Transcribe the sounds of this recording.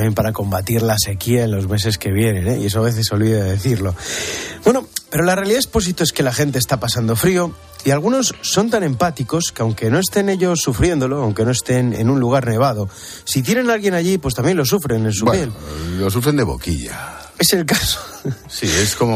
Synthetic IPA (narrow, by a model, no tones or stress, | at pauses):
mjempaɾako̞mbat̪iɾlase̞kiaenlo̞zme̞s̬e̞ske̞β̞je̞nẽ̞neie̞s̬oaβe̞θe̞sːo̞lβiðaðe̞θiɾlo̞bwe̞no̞pe̞ɾolarealiðaespo̞s̬it̪oeske̞laxe̞nt̪̬est̪apasand̪o̞fɾio̞ | ialɣ̞uno̞sːo̞nt̪anẽ̞mpat̪iko̞skeawŋke̞no̞e̞st̪e̞ne̞ʎo̞sːufɾje̞nd̪o̞lo̞awŋke̞no̞e̞st̪e̞nḛnunluɣ̞aɾne̞β̞að̞o̞ | sit̪̬je̞ne̞nalɣjenaʝipwe̞st̪ambje̞nlo̞sufɾe̞nẽ̞nss̬upje̞llos̬ufɾend̪e̞βo̰kḭʎa̰ | e̞selkaso̥ | sie̞skomo